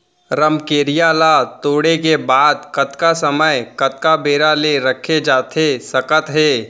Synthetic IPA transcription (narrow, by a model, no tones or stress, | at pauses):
ɾəmkeːɾijaːlat̪oːɽekebaːd̪̚kɐt̪kasɐməjkɐt̪̚kabeːɾaleɾəkʰed͡ʒaːt̪ʰesɐkət̪ɦɛː